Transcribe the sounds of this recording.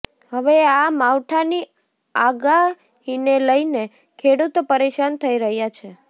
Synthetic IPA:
həʋeamawʈʰani | aɡa | ɦineləine | kʰeɽut̪opəɾeʃant̪ʰəiɾəɦjat͡ʃʰe

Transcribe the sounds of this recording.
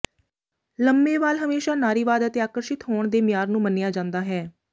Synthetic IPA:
ləmːeːʋaːlɦəmeːʃaːnaːɾiːʋaːd̪ət̪eːaːkəɾʃɪt̪ɦoːɳd̪eːmɪjaːɾnũːmənɪjaːd͡ʒãːnd̪aːɦɛː

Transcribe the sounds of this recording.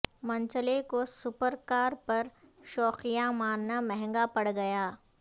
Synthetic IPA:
mɐ̃ɲt͡ʃəlekosʊpəɾkaːɾpɐɾʃɔːxijamaːnːamɛɦɛ̃ŋɡapɐɽɡɐjaː

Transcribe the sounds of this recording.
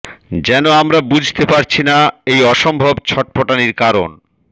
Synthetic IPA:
d͡ʑɛnoamɾabud͡ʑʱt̪epaɾt͡ɕʰinaejɔʃombʱobt͡ɕʰɔʈ̚poʈaniɾkaɾon

